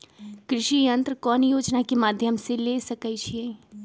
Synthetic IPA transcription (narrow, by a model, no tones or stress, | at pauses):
kɾɪʃijɐ̃nt̪ɾəkɔːnjoːd͡ʒnakemaːd̪ʱjəmselesɐkəit͡ʃʰie